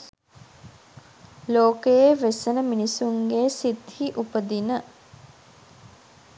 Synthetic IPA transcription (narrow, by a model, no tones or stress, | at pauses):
loːkəjeʋesənəminisuŋɡeːsit̪hiʔupəd̪inə